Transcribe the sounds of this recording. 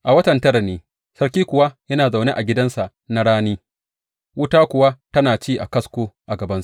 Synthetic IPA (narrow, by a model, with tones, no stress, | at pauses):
ʔa˨wɐ˦tɐ˨ntɐ˦ɾɐ˨neː˦ | sɐ˦ɾkʲiː˦kʷʊ˨wa˦jɐ˦naː˨za˨wne˦ʔa˨ɡʲɪ˦dɐ˦nsa˨ʔ | na˦ɽaː˦niː˦ | wʊ˦taː˦kʷʊ˨wa˦tɐ˦naː˨t͡ʃiː˦ʔa˨kɐ˦skʷoː˦ʔa˨ɡɐ˨bɐ˦ns